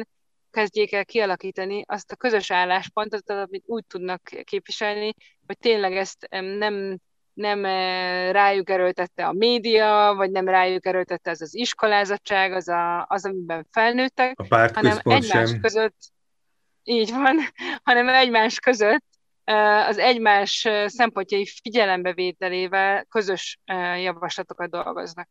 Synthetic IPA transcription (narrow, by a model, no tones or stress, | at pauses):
n | kɛzɟeːkɛlkiɒlɒkiːt̪ɒniʔɒst̪ɒkø̞zø̞ʃaːlːaːʃpo̞nt̪o̞t̪ːɒɒmit̪uːc̚t̪ud̪nɒkːeːpʋiʃɛlni | ho̞c̚t̪eːnlɛɡɛst̪nɛm | nɛmraːjuɡɛɾølt̪ɛt̪ːɛɒmeːd̪ijɒvɒɟnɛmraːjuɡɛɾølt̪ɛt̪ːɛɒzɒziʃko̞laːzɒt͡ʃːaːɡɒzɒɒzɒmibɛɱfɛlnøːt̪ːɛkpaɾhɒnɛmɛɟmaːʃkøzøt̪ː | iːɟvɒnhɒnɛmɛɟmaːʃkø̞zø̞t̪ː | øɒzɛɟmaːʃsɛmpo̞ɲcɒifiɟɛlɛmbɛveːt̪ɛleːvɛlkø̞zø̞ʃjɒvɒʃlɒt̪o̞kɒd̪̚d̪o̞̰lɡo̰znɒk̚